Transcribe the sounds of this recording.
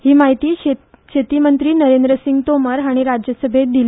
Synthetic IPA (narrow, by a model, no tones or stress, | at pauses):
hiːmaɦit̪iː | ɕet̪iːmənt̪ɾiːnəɾend̪ɾəsiŋɡt̪oməɾɦaɽ̃iɾad͡ʑjəsəbʱet̪̚d̪il